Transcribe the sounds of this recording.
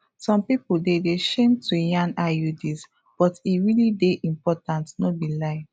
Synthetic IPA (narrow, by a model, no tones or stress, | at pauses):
sɔ̃mpipudedeʃẽmtʰujãnajudis | b̥ɔtiɹilideʔĩmpɔtãntnobilaɪ